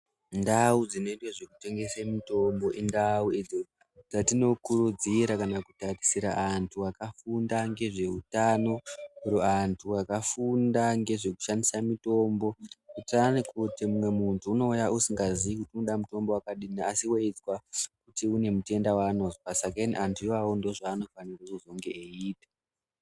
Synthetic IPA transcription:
ndaud͡zino̞itwaʐe̞kute̞ŋɡe̞semito̞mbo̞ʔindaued͡zo | d͡zatino̞kuɾud͡ziɾakanakutarisiɾaantʰuwakafundaŋɡe̞ʐe̞ɦutano̞uɾoantʰuakafundaŋɡe̞ʐe̞ku̥ʃandisamito̞mbo̞utanikutimumwe̞muntʰuːno̞ujaʔusiŋɡaziʋikutiunoɗamuto̞mbowakaɗiniasiweid͡zwakutiune̞mute̞ndawaːno̞zopasakainiʔantʰuiwawondoʐaːno̞fanireuzo̞ŋɡe̞eiːtḁ

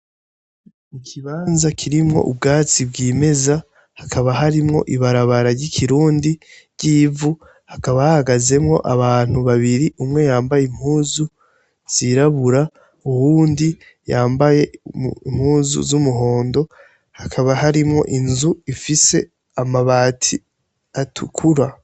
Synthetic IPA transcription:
ikʰiβaːnzakʰiɾimŋo̞̰ʔubɡaːt͡sibɡiːme̞za | hakʰaβaɦaɾimŋo̞̰ʔiβaɾaβaɾaɾɟikʰiɾuːndiɾɟiːvu | hakaβahahaɡaze̞mŋo̞̰ʔaβaːn̥huβaβiɾiʔumŋe̞jaːmbajem̥huːzu | z̥iɾaβuɾa | uhuːndi | jaːmbaje̞imhuːzṵzumuɦo̞ːndo̞ | hakʰaβahaɾimŋo̞̰ʔinzuifise̞ | amaβaːtʰi | atʰukʰuɾa

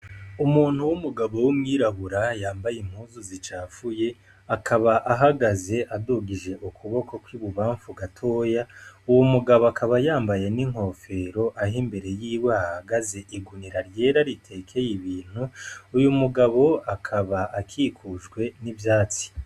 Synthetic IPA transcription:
umuːn̥huwumuɡaβo̞wumŋiːɾaβuɾajaːmbajim̥huːzuzit͡ʃaːfuje̞ | akʰaβaʔaɦaɡaze̞ʔaduːɡiʒe̞ʔukʰuβo̞ko̞kwiːβuβaːɱfuɡatʰo̞ːjauwomuɡaβoakʰaβajaːmbaje̞niŋ̥ho̞fe̞ɾo̞ʔaɦimbe̞ɾe̞jiːwahaɡaze̞ʔiɡuniɾaɾje̞ːɾaɾitʰe̞kʰe̞jiβiːn̥huujumuɡaβo̞akʰaβaːkʰiːkʰuʒɡwe̞nivjaːt͡si̥

